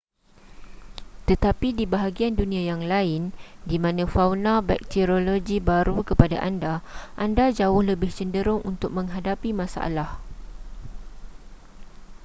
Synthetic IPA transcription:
t̪ət̪apidibaɦaɡiandunĩãjaŋlaɪndimãnãfawnaba̰jk̚t̪iɾoloɡibaɾukəpada̰ʔandaʔandad͡ʒaʊhləbɪht͡ʃəndəɾʊŋʔunt̪ʊk̚mə̃ŋɦadapimãsa̰ʔa̰lah

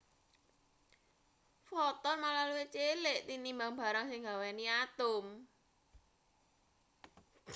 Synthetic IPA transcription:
fɔt̪ɔnmalaluet͡ʃelɪʔt̪inimbaŋba̤ɾaŋsɪŋɡawɛniat̪ʊm

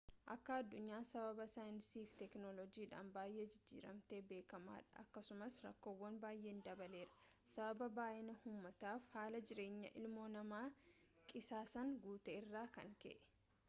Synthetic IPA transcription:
ʔɐkːɐɐd̪ːʊɲːaːsɐbɐbɐsaːjɪnsiːft̪ɛknolɔd͡ʒiːᶑa̰ːnbaːjʔeːd͡ʒɪd͡ʒːḭːɾɐ̰mt̪e̞ːbe̞ːkɐma̰ːᶑɐɐ̰kːɐsʊmɐsɾɐ̰kːo̞ːwːɐnbaːjʔeːnd̪ɐbɐle̞ːɾɐ̥ | sɐbɐbɐbaːʔɪnɐhuːmːɐt̪aːfhaːlɐd͡ʒɪɾe̞ːɲːɐ̰ʔɪ̰lmo̞ːnɐmaː | kʼɪsaːsɐŋɡuːt̪eːɪrːaːkɐ̰ŋkḛʔɛ̥

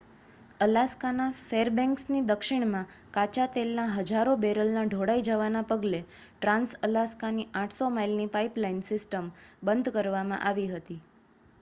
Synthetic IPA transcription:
əlaskanafeɾbɛ̃ŋksnid̪əkʃɪɳ̃mã | kat͡ʃat̪elnaɦəd͡ʒaɾobeɾəlnaɖʱoɽaid͡ʒaʋanapəɡle | ʈɾãnsəlaskaniʔãʈʰsomailnipaiplainsɪsʈəmbənd̪ʱkəɾʋamã̰ʔaʋiɦət̪i

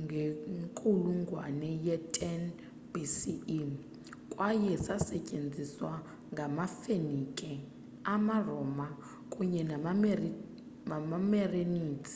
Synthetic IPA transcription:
ŋɡʱeŋkʼuluŋɡʱwanɛjɛtʼɛn | bisi | kʼwajɛsasɛcʼend͡zʱiswa | ŋɡʱamafenikʼɛ | amarɔma | kʼuɲɛnam | amamɛreniːt͡sʰʼi̥

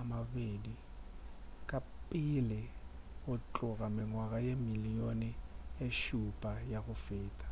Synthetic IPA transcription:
amavedi | kʼapʼɪlɪ | ʊt͡ɬʼʊɣamɪŋwaɣajemilijonɪeʃupʼajaɣʊfeːtʼḁ

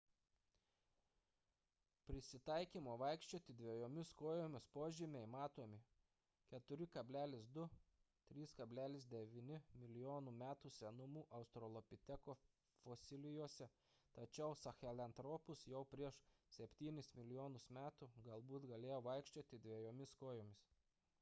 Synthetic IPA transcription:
pʲɾʲɪsʲɪt̪ɐˑɪkʲiːmoːʋɐɪkʃʲt͡ʃʲoːt̪ʲɪd̪ʲʋʲiɛjoːmʲɪskoːjoːmʲɪspoːʒʲɪmʲeɪmɑːt̪oːmʲɪ | kʲɛt̪ʊɾʲɪkɐbʲlʲæːlʲɪsd̪ʊ | t̪ʲɾʲiːskɐbʲlʲæːlʲɪs̬d̪ʲɛʋʲɪːnʲɪmʲɪlʲɪjoːnuːmʲæːt̪uːsʲɛnʊmuːʔɐʊst̪ɾɔlˠɔpʲɪt̪ʲɛkoː | foːsʲɪlʲɪjuɔsʲɛ | t̪ɐt͡ʃʲɛʊsɐxʲɛlʲɐnt̪ɾɔːpʊsjɛʊpʲɾʲiɛʃsʲɛpʲt̪ʲiːnʲɪsmʲɪlʲɪjoːnʊsmʲæːt̪uɡɐlˠbuːt̪ɡɐlʲeːjoːʋɐɪkʃʲt͡ʃʲoːt̪ʲɪd̪ʲʋʲiɛjoːmʲɪskoːjoːmʲɪs

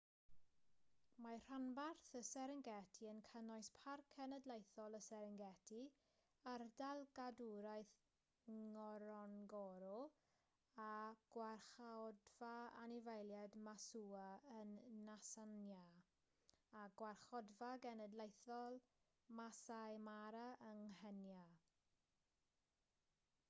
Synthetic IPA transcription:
mar̥anbarθəsɛɾəŋɡɛtʰiənkʰənɔjspʰarkʰɛnədlˠejθɔlˠəsɛɾəŋɡɛtʰi | ardalˠɡaduɾajθ | ŋɔɾɔnɡɔɾɔ | aɡ̥warχaɔdv̥aa̰nɪvajlˠjɛdmasuːaənːasanja | aɡwarχɔdvaɡɛnədlejθɔlˠ | masajmaɾaʔəŋhɛnja

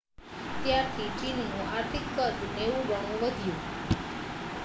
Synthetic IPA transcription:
t̪jaɾt̪ʰit͡ʃinnũaɾt̪ʰikːət̪neʋũʋaŋʋəd̪ʱjũ

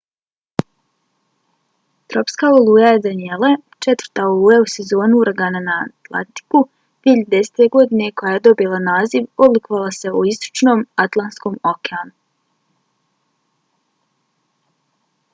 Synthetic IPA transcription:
t̪ɾo̞pskaolˠuːjajed̪anielˠat͡ʃet̪vrɾt̪aolˠuːjause̞zo̞ːnuuɾaɡananaːt̪lˠa̰nt̪i̥ku | d̪vieçiʎad̪d̪e̞se̥ːt̪eɡo̞d̪ine̞ko̞jaje̞d̪o̞bilˠanaːziʋod̪lˠikoʋalˠase̞uist̪o̥t͡ʃno̞ːmat̪lˠansko̞ːmokeanu

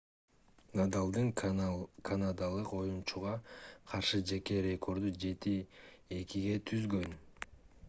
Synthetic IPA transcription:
nad̪alˠd̪ɯŋ | kʰanad̪alˠɯqo̞junt͡ʃuʁɑqʰɑɾʃɯd͡ʒe̞ke̞ɾʲe̞kʰo̞ɾd̪ud͡ʒe̞t̪ie̞kiɡe̞t̪ʰyzɡø̞n

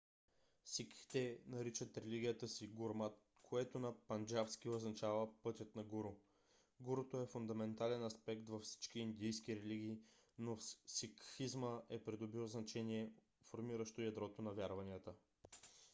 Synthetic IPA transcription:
sikxt̪ɛnɐɾit͡ʃət̪ɾɛliɡʲiət̪əsiɡuɾmat̪ | kʰoɛt̪onɐpɐnd͡ʒafsk̟ioznɐt͡ʃavəpɤt̪ʲjət̪nɐɡuɾʊ | ɡuɾot̪oɛfʊnd̪ɐmɛnt̪alɛnɐspɛkt̪vɐfsi̥t͡ʃk̟iːnd̪ijsk̟iɾɛliɡ̟ʲiːnofsikxizməɛpɾid̪obilznɐt͡ʃɛniɛ | foɾmiɾəʃt̪oijɐd̪ɾɔt̪onɐvʲjaɾvɐniət̪ə

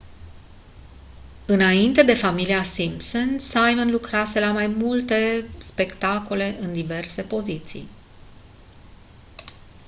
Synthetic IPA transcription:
ɨnaint̪e̞d̪e̞familiasimpsonsajmənlukɾase̞lamajmult̪e̞spe̞kt̪ako̞le̞ʔɨnd̪ive̞rse̞po̞zit̪sḭj

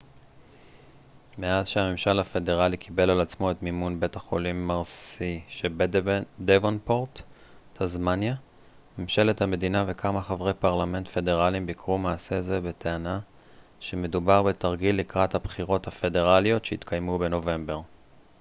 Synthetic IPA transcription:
me̞azʃehamemʃalhafe̞de̞ʁalikʰibe̞lalat͡smo̞e̞tmimunbe̞thaχo̞limːaʁsiʃe | devonpoʁt | tʰazmanja | memʃe̞lethame̞dinave̞kʰamaχavʁe̞jpaʁlame̞ntfe̞de̞ʁalimbikʁumaːse̞zebe̞tʰeana | ʃe̞me̞dubaʁbe̞taʁɡilːikʁathabχiʁo̞thafe̞de̞ʁalio̞tʃeit̪kʰajmube̞no̞ve̞mbe̞ʁ

